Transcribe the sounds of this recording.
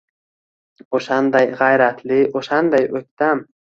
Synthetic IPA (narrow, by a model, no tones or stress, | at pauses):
oʃand̪ajʁajɾat̪ʰlɪoʃand̪ajɵk̚ʲt̪am